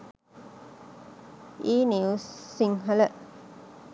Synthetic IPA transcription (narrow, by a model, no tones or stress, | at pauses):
ʔiːniussiŋɦɐlə